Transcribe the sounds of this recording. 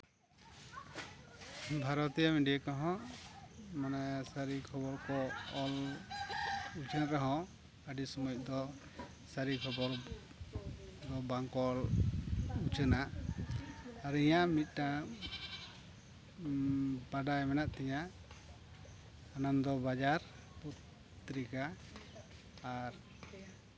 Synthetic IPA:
bʱaɾɔt̪ijamiɖijakɔɦɔ̃ | manasaɾikʰɔbɔɾkɔɔl | ut͡ʃənaʔɾɔɦɔ̃ | əɖisɔmujɔd̪ɔ | saɾikʰɔbɔɾ | d̪ɔbaŋkɔl | ut͡ʃənaʔ | ɾijamit̪̚ˀʈa | baɖajmɛnaʔt̪ɛjaʔ | nand̪ɔbad͡ʒaɾ | put̪ː | ɾika | ɾ

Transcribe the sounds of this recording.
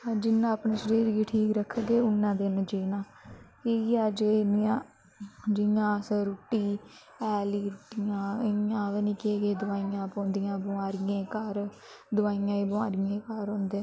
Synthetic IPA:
d͡ʒɪnːãːəpnẽːʃəɾeːɾiːʈʰiːkɾəkʰːɡeːʊnːãːd̪ɪnd͡ʒeːnãː | keːaːd͡ʒeːnɪjãː | d͡ʒɪjãːsəɾʊʈːiː | ɛːliːtɪjãːɪãːʋeːnĩːkɪeːɡeːd̪ʊaːijãːpõːnd̪ɪjãːbʊaːɾɪjẽːkaɾ | d̪ʊʋaːijãːiːbəʋaːɾɪjẽːkaːɾõːnd̪ẽ

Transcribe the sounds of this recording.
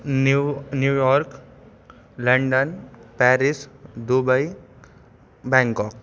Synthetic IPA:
njuːjɔːɾk | lə̃ɳɖənpɛɾisd̪ubəi | bɛ̃ŋkɔːk̚

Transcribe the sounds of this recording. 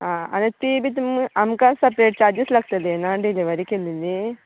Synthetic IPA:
aɐ̰nɐt̪iːbit̪mɐmkaːnsɐpɾeːʈ̚t͡ʃaːd͡ʒislɐk̚t̪ɐd̪enaːɳɖileʋɐɾikend̪ind̪i

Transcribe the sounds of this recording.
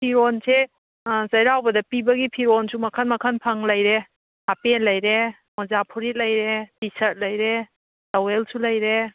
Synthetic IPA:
pʰiɾɔnse | zɐjɾawbɐdɐpibɐɡipʰiɾɔnsumɐkʰanmɐkʰanpʰaŋlɐjɾe | hapelɐjɾe | mɔzapʰuɾit̚lɐjɾepisɐt̚lɐjɾe | dawelsulɐjɾe

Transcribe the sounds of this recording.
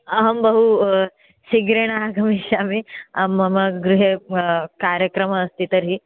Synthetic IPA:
ɐɦəmbəɦu | ɕiɡɾeɽ̃aːɡʱɐmiɕamiɐmɐmɐɡɾuɦekaɾjəkɾəməːst̪it̪əɾɦi

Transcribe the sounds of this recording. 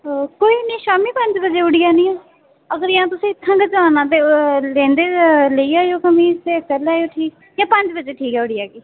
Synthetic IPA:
koːiːnĩːʃaːmiːpəɲd͡ʒbəd͡ʒeːʊɽɪjaːnĩːãː | əɡəɾɪjãːt̪ʊsĩːɪt̪ʰːãːɡəd͡ʒaːnãːt̪̬eːlẽːnd̪eːləiːaːjoːkəmĩːt̪eːəkəlaːjoːʈʰiːk | jãːpə̃ɲd͡ʒbəd͡ʒeːʈʰiːkɛːʊɽɪjaːɡiː

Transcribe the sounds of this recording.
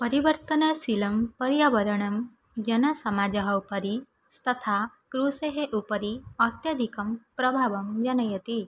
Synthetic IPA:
pɐɾiʋəɾt̪ənɐsilɐmpɐɾjaʋɐɾɐɳ̃ɐm | d͡ʒɐnɐsɐmad͡ʒɐɦɐwpɐɾi | st̪ɐt̪ʰa | kɾuseɦeʔupəɾiɐt̪jɐd̪ʱikɐmpɾɐbʱaʋɐmd͡ʒɐnɐjət̪i

